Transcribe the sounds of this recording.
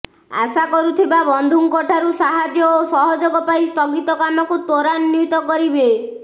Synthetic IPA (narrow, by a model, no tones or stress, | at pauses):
a̰sakɔɾut̪ʰibabɔnd̪ʱuŋkɔʈʰaɾusaɦad͡ʒjɔosɔɦɔd͡ʒoɡɔpaist̪ɔɡit̪ɔkamɔkut̪oɾanːut̪ɔkɔɾibe